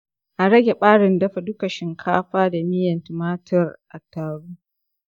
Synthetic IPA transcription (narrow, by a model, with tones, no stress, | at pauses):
ʔa˨ɽɐ˦ɡʲe˨ɓaː˦ɽɪ˨ndɐ˦ɸa˨dʊ˦kɐ˨ʃɪ˦ŋkʰa̰ː˦ɸaː˦da˨mɪ˦jɐ˨ntɪ˨maː˦tʰɐ˨rʔa˨tːaː˨ɽuː˦